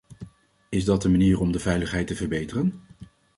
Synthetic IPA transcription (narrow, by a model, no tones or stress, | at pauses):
ɪzdɑtəmaniːrɔmdəvɛjləχɦɛjtəvərbejtərən